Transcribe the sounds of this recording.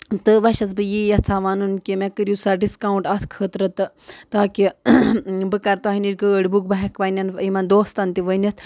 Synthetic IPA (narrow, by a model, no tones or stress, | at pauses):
t̪ɨʋɐʃɐs̬bɨjijɐt͡sʰaʋanunkimekɨɾjusaɖiskauɳʈɐt̪ʰkʰəːt̪ɾɨt̪ɨ | t̪aːki | bɨkɐɾt̪oaɦiniʈɡəːɽbukbɐɦɐkʋɐnʲɐnimɐnd̪oːst̪ɐnt̪iʋənɐt̪ʰ